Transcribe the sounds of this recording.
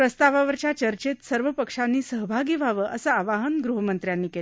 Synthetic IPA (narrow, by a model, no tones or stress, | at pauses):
pɾəst̪aʋaʋəɾt͡ɕjat͡ɕəɾt͡ɕet̪səɾʋəpəkʂanːiːsəɦbʱaɡiːʋʱaʋəʔəsəːʋaɦənɡɾuɦəmənt̪ɾjanːiːke